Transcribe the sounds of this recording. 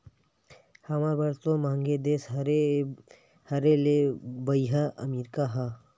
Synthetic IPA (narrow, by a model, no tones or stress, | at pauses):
hɐmaːɾbɐɾt̪õmãːŋɡed̪eːse | hɐɾelebɐiɦaʔɐ̰miːɾkaɦa